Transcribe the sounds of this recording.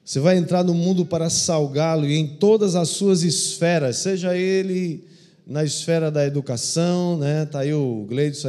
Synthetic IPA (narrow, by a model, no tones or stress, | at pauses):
o̥sevajẽnt̪ɾaɾnʊmũnd̪ʊpaɾɐsawɡalʊiẽj̃t̪od̪ɐzɐsːuɐzisfɛɾɐsːeʒɐelɪ | nɐisfɛɾɐd̪ɐed̪ukasɐ̃w̃nɛt̪aiʊɡlejd͡ʒs